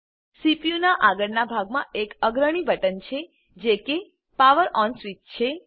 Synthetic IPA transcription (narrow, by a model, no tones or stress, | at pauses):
sipijunaʔaɡəɾnabʱaɡmãekəɡɾəɽ̃ibəʈənt͡ʃʰe | d͡ʒeke | paʋəɾɔnsʋitt͡ʃʰe